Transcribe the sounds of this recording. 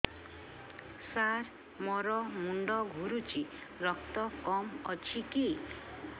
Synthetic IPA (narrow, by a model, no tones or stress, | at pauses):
saɾ | mɔɾɔmuɳɖɔɡʱuɾut͡ʃiɾɔk̚t̪ɔkɔmɔ̰t͡ʃʰiki